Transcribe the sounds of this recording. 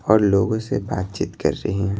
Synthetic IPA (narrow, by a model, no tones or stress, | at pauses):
ɔːɾloːɡõsebaːt̪̚t͡ʃiːt̪kɐ̰ɾːɐɦiɦɛ̃